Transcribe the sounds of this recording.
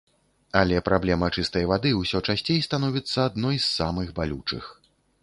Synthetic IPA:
ɐlʲɛpɾʔablʲɛmɐt͡ʂɨst̪ɐjvad̪ɨwsʲɔt͡ʂasʲt͡sʲejst̪anɔvʲit̪sːɐad̪̚nɔjsːamɨxbalʲut͡ʂɨ̰x

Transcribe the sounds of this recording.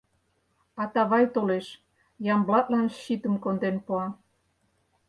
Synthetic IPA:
ɑt̪ɑβɑjt̪oleʃ | jɑmblɑt̪̚lɑnʃit̪əmkond̪enpoɑ

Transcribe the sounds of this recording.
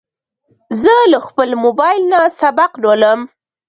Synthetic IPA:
zəlaxpəlmobɑjɪlnasabaqdoləm

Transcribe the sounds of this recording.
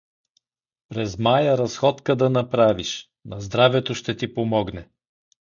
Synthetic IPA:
pɾɛzmajəɾɐsxɔt̪kəd̪ɐnɐpɾaviʃ | nɐzd̪ɾavɛt̪oʃt̪ɛt̪ipomɔɡnɛ

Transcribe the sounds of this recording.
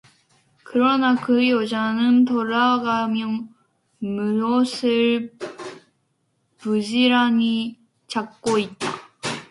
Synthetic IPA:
kɯɾʌnakɯjod͡ʑanɯnt̬oɾaɡamjʌŋ | muɾosʰɯɭ | pud͡ʑiɾaɲi | t͡ɕak̚k͈oit̚t͈a

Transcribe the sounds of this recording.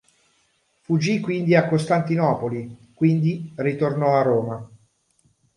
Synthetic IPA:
fud͡ʒːikːwind̪iakːost̪ant̪inɔːpolikwind̪irit̪ornɔarːoːma

